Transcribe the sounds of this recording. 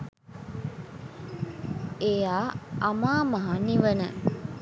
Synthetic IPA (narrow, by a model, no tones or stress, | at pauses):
ejaːamaːmaɦaniʋənə̰